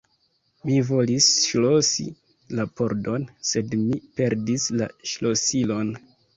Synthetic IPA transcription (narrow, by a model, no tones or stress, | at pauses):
mivo̞lisʃlo̞sḭ | lapo̞ɾdo̞nse̞dmipe̞ɾdisla̰ʃlo̞silo̞n